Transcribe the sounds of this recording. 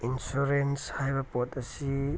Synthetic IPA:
insuɾenshajbɐpotɐsi

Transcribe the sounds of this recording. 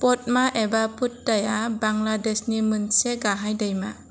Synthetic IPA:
pɔt̚maʔebaput̚dajabaŋladesnimɯnseɡaɦajdajma

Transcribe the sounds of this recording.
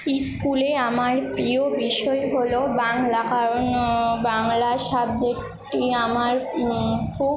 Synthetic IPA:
iskuleamaɾpɾiobiʃɔeɦolobaŋlakaɾonbaŋlaʃab̚d͡ʑek | ʈiamaɾ | kʰu

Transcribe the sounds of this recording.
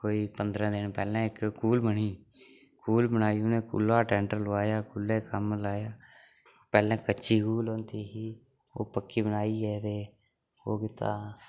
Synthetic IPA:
koːiːpənd̪ɾãːd̪ɪnpɛːlɛ̃ːɪkkuːlbəniː | kuːlbənaːijõːnẽːkṵlaːʈɛ̃ːɳʈəɾlʊaːjaːkulɛːkəmlaːjaː | pɛːlɛ̃ːkəːt͡ʃʃiːkuːlõːnt̪iːɦiː | o̰ːpəkːiːbənaːiːɛːt̪eː | oːkɪt̪a̰ː

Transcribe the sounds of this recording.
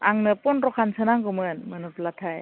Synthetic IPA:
aŋnɯpɔnɾɔkʰansɯnaŋkɯmɯnmɯnɯplatʰaj

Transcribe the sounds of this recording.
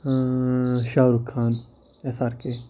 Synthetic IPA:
ʃaːɾukʰːãːn | esaːɾkeː

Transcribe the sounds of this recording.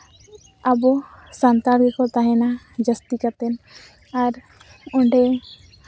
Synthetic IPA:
abɔsant̪abikɔt̪aɦɛ̃na | d͡ʒəst̪ikat̪ɛn | aɾ | ɔ̃ɳɖɛ

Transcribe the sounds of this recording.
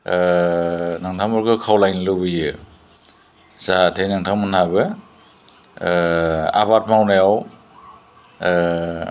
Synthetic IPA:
naŋtʰamɔɾɡɯkʰawlajnlɯbɯjɯ | zatʰejnaŋtʰaŋmɯnhabɯ | a̰bat̚mawnajaw

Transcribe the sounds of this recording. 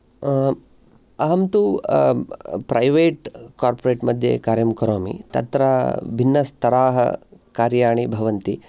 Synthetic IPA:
ɐɦɐmt̪u | pɾɐjʋeːʈkaːɾpoɾeːʈmɐd̪ʱjḛkaːɾjɐmkɐɾoːmḭt̪ɐ̰t̪ɾaːbʱinːɐst̪ɐɾaːɦɐ̰kaːɾjaːɳibʱɐʋɐnt̪i

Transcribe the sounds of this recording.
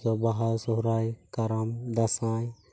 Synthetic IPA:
ɔbaɦaɾsɔɦɾajkaɾamd̪asãj

